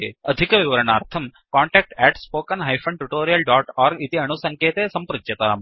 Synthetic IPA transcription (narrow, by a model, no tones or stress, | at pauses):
ḛːɐd̪ʱikɐʋiʋɐɾɐɳaːɾt̪ʰɐm | kaːɳʈɛːk̚ʈɛːʈspoːkɐnɦɐjfʰɐɳʈuʈoːɾijɐlɖaːʈaːɾɡit̪iɐɳusɐŋkʰeːt̪eːsɐmpɾud͡ʒjɐt̪ɐa̰ːm